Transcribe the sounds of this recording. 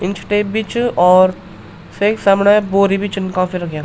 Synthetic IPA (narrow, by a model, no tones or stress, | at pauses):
ɪnt͡ʃʰʈebit͡ʃɔːɾ | seːksamnaboːɾibit͡ʃɪnkãfʰiɾɐkja